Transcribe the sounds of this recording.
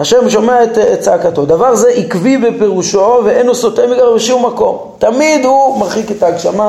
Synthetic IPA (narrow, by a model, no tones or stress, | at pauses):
haʃemʃo̞meaet̪ːtt͡saːkat̪od̪avaʁzeʔikvibepe̞ʁuʃo̞veʔejnusot̪emiɡaʁbeʃumːako̞m | t̪amid̪humaʁχiket̪aːɡʃama